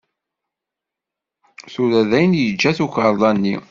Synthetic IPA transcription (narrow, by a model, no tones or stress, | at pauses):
θulæðæjnjəd͡ʒːæθukəɾˤðɑnːi